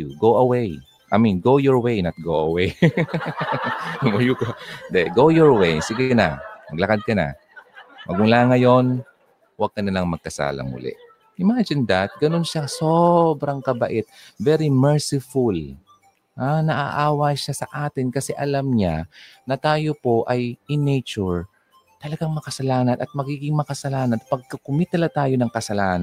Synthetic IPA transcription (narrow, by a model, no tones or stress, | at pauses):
uɡowɐwej | ʔɐ̰minɡowjɔɹwejnɐt̪̚ɡoɐwej | mɐjukod̪ɛɡowjɔɹwejsɪɡɪna̰mɐɡlɐkad̪̚kɐna̰ | mɐɡʊŋlaːŋɐjo̞n | wɐɡ̚kɐnɐlɐŋmɐɡ̚kɐsa̰ːlɐ̰mʊ̰lɪ̰ʔ | ʔɪmad͡ʒɪnd̪at̪̚ɡɐnonʃasobɾɐŋkɐbɐ̰ʔɛt̪̚vɛɾimɛɹsɪful | anɐʔa̰ʔaːwɐʃasɐʔaːt̪ɪnkɐsɛʔɐlamɲanɐt̪aːjo̞po̞ʔɐjɪnejt͡ʃʊɹ | t̪ɐlɐɡaŋmɐkɐsɐlaːnɐnʔɐt̪̚mɐɡiːɡɪŋmɐkɐsɐlaːnɐnpɐɡ̚kɐkʊmit̪ɐlat̪aːjo̞nɐŋkɐsɐlaːn